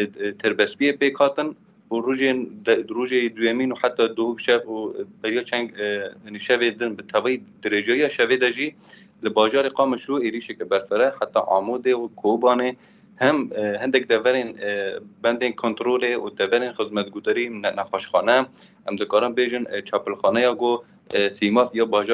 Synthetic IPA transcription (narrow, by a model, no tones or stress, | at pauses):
t̪ʰɨɾbɛspijepeːkhɑːt̪ɨn | uruːʒenruːʒed̪ʊjɛmiːnuħat̪ːɑːd̪ʊhubʃɛubɛɾjɑːt͡ʃʰɛŋɡhniʃɛved̪ɨnbɨt̪ʰɛvɑjid̪ɨɾeːʒɛjɑːʃɛved̪ɛʒiː | lɨbɑːʒɑːɾeqɑːmɨʃɾueːɾiːʃɛkɛbɛɾfɨɾɛħat̪ːɑ̰ʕɑ̰ːmud̪ewkʰobɑːne | hɛmhɨnd̪ɛk̚d̪ɛvɛɾenbɛnd̪enkʰont̪ɾoːleṵd̪ɛvɛɾenxəzmɛt̪̚ɡʊd̪ɑɾinnɛxɑʃxɑːnɛ | ʔɛmd̪ɨkɑːɾɨnbeːʒɪnt͡ʃʰɑːpəlxɑːnɛjɑːɡo | simɑːfjɑːbɑːʒɑ